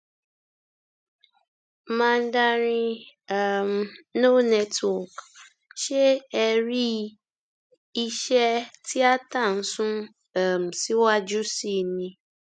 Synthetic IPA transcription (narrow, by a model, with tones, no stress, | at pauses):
mã˦˧n̩˦da˦ɾĩ˧a˦˨m˨no˦nɛ˦twɔ˨k | ʃe˦ɛ˧ɾi˦ | i˧ʃɛ˦ti˦a˦ta˦˨n̩˦sũ˦ | a˨m̩˨si˦wa˦d͡ʒu˦si˦˨nĩ˧